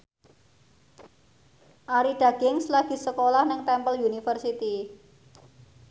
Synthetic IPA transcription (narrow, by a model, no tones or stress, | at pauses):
ʔaɾiɖ̥a̤ɡ̥ɪŋslaɡ̥i̤səkolahnɪŋt̪ɛmpəlunifərsit̪i